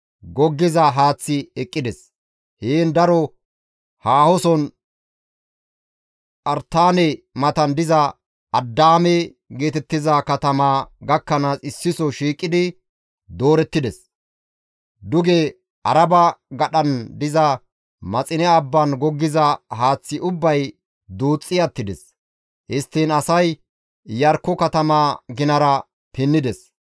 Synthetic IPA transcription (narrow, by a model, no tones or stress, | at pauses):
ɡɔɡːɪzɐɦaːt͡sːɪɛkʼːɪd̪ɛs | heːnd̪ɐɾɔ | haːhɔsɔn | ʔɐɾt̪ːaːnɛmɐt̪ɐnd̪ɪzɐ | ɐd̪ːaːmɛ | ɡe̞ːt̪ɛt̪ːɪzakɐt̪ɐmaːɡɐkːɐnaːsɪsːɪsɔʃiːkʼːɪd̪ɪ | d̪o̞ːɾɛt̪ːɪd̪ɛs | d̪ʊɡɛ | ʔɐɾɐbɐɡɐɗɐnd̪ɪzɐ | mɐt͡sʼɪnɛɐbːɐnɡɔɡːɪzɐhaːt͡sːɪʔʊbːɐj | d̪uːt͡sʼːɪjɐt̪ːɪd̪ɛs | hɪst̪ːinɐsɐj | jɐɾkːɔkɐt̪ɐmaːɡɪnɐɾɐ | pɪnːɪd̪ɛs